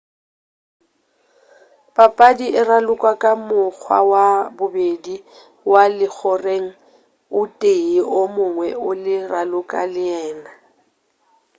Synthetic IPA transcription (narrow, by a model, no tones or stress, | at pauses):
pʼapʼadiɪralʊkʼwakʼamʊk͡xʰwa̰wabʊbedi | walɪk͡xʰɔreŋ̩ | ʊtʼeiomʊŋwɛʊlɪralʊkʼalɪɛːna